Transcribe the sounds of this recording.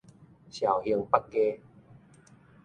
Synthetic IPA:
ɕja˨˩whə˧əŋpa˦k̚ɡe˧˦

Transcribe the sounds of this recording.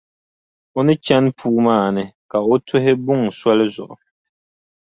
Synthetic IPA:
o˦nɨ˦t͡ʃɛ˦npʰuː˦maː˦˨nɨ˦ka˨o˦tʰʊ˦ɦɪ˦bʊ˦ŋ˨sɔ˦lɪ˦zʊ̰˨ʔʊ˨

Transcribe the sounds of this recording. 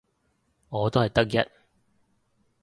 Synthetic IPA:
ŋɔː˨˧t̪o˥whɐ˨jt̪ɐ˥k̚jɐ̰˦˥t̚

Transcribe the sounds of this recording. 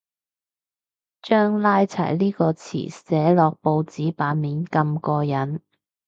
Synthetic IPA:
t͡ʃœː˥ŋlaː˥jt͡sʰɐ̰˨˩jliː˥kɔː˧t͡sʰḭː˨˩sɛː˨˥lɔː˨k̚po˧wt͡siː˨˥paː˨˥nmiː˨˥nkɐ˧mkɔː˧jɐ˨˥n

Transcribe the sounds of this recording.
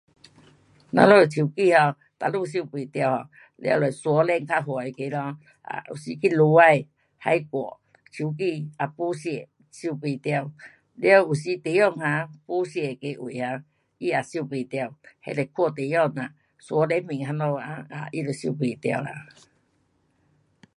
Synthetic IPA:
nã̰˧˦lɔ˦˨t͡ɕʰi˨˩˨ki˧˨hɔ˧ | t̪a˨lu˧˨ɕ̬i˥˧˨pe˨˩t̪ja˧˨whɔ˧˨ | lj̰a̰˧˨˧lɔ˨jswɔ˧˦lɛ˧ŋkʰa˦˧ɦwɔ˨˩e˨˩ke˧lɔ˧ | a̰˨ṵ˨˩ɕi˧ki˦lu˧˦a˧j | ha˧jkwɔ̰˨ | t͡ɕʰi˨˩˨k̬i˧a˨˧pu˦ɕjɛ˧˨ | ɕu˧˨pe˧˨t̪ja˧˨w | lja˧˨u˨ɕi˧˦t̪e˨˦jɔ˥˧˨ŋhã˧po˦ɕɛ˧˩e˨ke˧˦ʔwu˨ha˧ | i˦a˨ɕu˥˧˨pe˨t̪ja˧˨whḛ˧˨le˧˨kʰɔ˧˨t̪e˨jɔ˧˨nã˨ | swɔ˧˦lɛ˧˦n˦mĩ˨ŋɦa˧˦nlɔ˧a˧a̰˨ʔi˦lo˨ɕi˧˨pe˨t̪a̰˧wla̰˨

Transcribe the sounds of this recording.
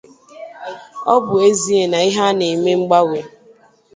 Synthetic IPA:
ɔ˦bʊ˨e˦zi˦e˨na˨i˦ɦa˦ne˨me˦ŋ͡m̩˦ɡ͡ba˦we˨

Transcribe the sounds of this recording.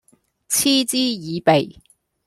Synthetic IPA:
t͡sʰiː˥t͡siː˥jiː˨˧pe˨˩j

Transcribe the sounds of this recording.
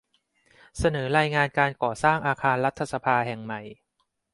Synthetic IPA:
sa˧nɤː˩˦ɾaː˧jŋaː˧nkaː˧nkɔː˨˩saː˥˩ŋʔaː˧kʰaː˧nɾa˦˥t̪ʰːa˧sa˧pʰaː˧ɦɛ˨˩ŋma˨˩j

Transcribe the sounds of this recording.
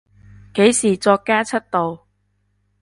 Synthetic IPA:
ke˨˥jsiː˨˩t͡sɔː˧kːaː˥t͡sʰɐ˥t̚t̪o˨w

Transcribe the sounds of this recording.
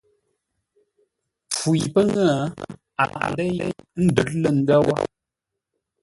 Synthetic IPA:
p͡fu˨jpə˦ŋə˦˨ | a̰˨a̰˨ʔdə˦je˦n̩˦də˨ɾ̚lə˦˨ŋ̩˦ɡə˦wɔ˦

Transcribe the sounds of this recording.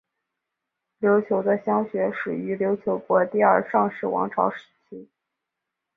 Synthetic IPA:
ljo˧˥ʊt͡ɕʰjo˧˥ʊd̪ə˧ɕjɑ˥ŋɕɥɛ˧˥ʂɻ̩u˨˩y˧˥ljo˧˥ʊt͡ɕʰjo˧˥ʊkwɔ˧˥t̪i˥˧ɐ˞˥˧ʂɑ˥˧ŋʂɻ̩˥˩wɑ̰˧˥ŋʈ͡ʂʰɑ˧˥ʊʂɻ̩˧˥˩t͡ɕʰi˥

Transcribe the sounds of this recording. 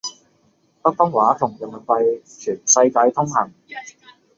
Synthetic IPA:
pɐ˥k̚fɔ˥ŋwaː˨˥t̪ʰʊ˨˩ŋjɐ˨˩nɐ˨˩n̚pɐ˧j | t͡ʃʰyː˨˩nsɐ˧jkaː˧jt̪ʰʊ˥ŋɦɐ˨˩ŋ

